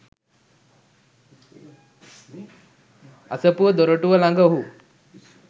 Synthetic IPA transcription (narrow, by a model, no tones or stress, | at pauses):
asəpuʋəd̪oɾoʈuʋəlaŋɡəɦu